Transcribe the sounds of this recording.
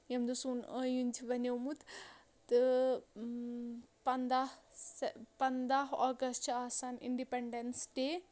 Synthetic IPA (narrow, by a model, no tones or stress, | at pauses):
jɐmd̪usunəjũnʲd͡ʒiʋɐnewmut̪ | t̪ɨ | pɐnd̪ah | pɐnd̪aːɦaːɡɐsʈt͡ʃʰɐaːsaːnḭɳɖipeɳɖensʈe